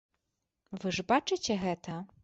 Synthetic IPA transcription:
vɨʐbat͡ʂɨt͡sʲɛɣɛt̪ʰɐ

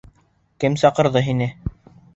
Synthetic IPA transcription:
kɘmsɑqɤ̆ɾðɤɦinɘ

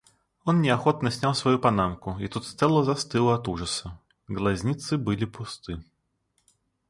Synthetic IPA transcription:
onnʲɪɐxot̪nəsʲnʲalˠsvɐjupɐnamkʊit̪ut̪st̪sɛlˠəzɐst̪ɨlˠɐt̪uʐəsə | ɡlˠɐzʲnʲit̪sɨbɨlʲɪpʊst̪ɨ

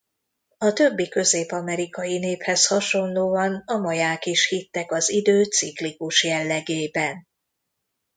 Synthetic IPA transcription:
ɒt̪ø̞bːikø̞zeːpɒmɛɾikɒjineːphɛshɒʃo̞nloːɒnɒmɒjaːkiʃhit̪ːɛkɒzid̪øːsiklikuʃjɛlːɛɡeːbɛn

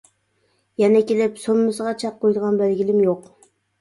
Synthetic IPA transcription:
jɛnɛkʲelɪpsomːʊsəʁɑt͡ʃʰɑqʰːojd̪əʁɑnbælɡʲilɪmjoq

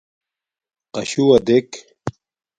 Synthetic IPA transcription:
qɐɕuɐd̪ek

